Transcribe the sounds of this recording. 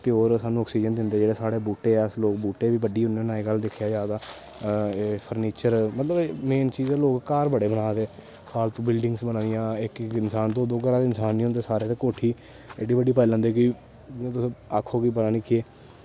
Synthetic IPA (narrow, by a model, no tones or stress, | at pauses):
pɪoːɾsaːnũːɔːksiːd͡ʒənd̪ɪnd̪eːd͡ʒeːɽeːsaːɽeːbuːʈeːɛːəsloːkbuːʈeːʋiːbəɖiːʊneːnãːeːɡəld̪ɪkʰjaːd͡ʒaːd̪aː | pʰəɾniːt͡ʃəɾmət̪ləbmeːnt͡ʃiːzeːloːkkaːɾbəɽeːbənaːd̪eː | saːlt̪õːbɪlɖɪ̃ŋɡsbənãːd̪ɪjãːɪkɪnsaːnt̪õːd̪oːɡəɾaːd̪ɪnsaːniɦõnd̪eːsaːɾeːt̪eːkoːʈʰiː | ḛɖiːbəɖiːpəilə̃nd̪eːkĩ | t̪ʊsakʰːoːkiːbəɾãːnɪkʰieː